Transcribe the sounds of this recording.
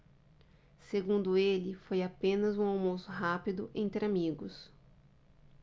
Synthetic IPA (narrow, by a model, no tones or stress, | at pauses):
seɡũnd̪ʊelɪfojapẽnɐzũawmosʊɦapid̪ʊʔẽnt̪ɾɪamiɡʊs